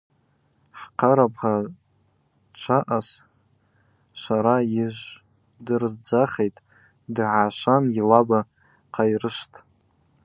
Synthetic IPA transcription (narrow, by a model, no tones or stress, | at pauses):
ħqʰaɾabʁa | t͡ʃʷʰaʔas | ʃʷaɾaiʒʷ | dɨrzd͡zaχejtʼ | dɨʕaʃʷanilaba | qʰajrɨʃtʼ